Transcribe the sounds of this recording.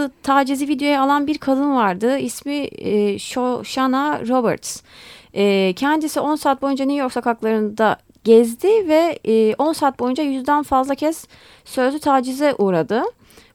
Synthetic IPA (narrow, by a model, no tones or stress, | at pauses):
ɯt̪ʰaːd͡ʒizivid̪jo̞jaːlˠanbiɾkʰad̪ɯnvaɾd̪ɯismiʃoʃanaɾo̞bɛ̰ɾt̪sɛːcʰɛnd̪isiʔo̞nsaːt̪̚bo̞jund͡ʒanijo̞ksakʰaklˠaɾɯnd̪a | ɟɛzd̪ɪvɛːʔo̞nsaːt̪̚bo̞jund͡ʒajyzd̪ænfazlˠacʰɛsː | ø̞zyt̪ʰaːd͡ʒizɛʔuːɾad̪ɯ